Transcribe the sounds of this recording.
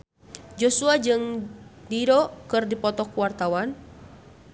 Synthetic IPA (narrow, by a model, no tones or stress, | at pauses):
d͡ʒɔsuad͡ʒɨŋdiɾɔkɨrdipɔt̪ɔkuwart̪awan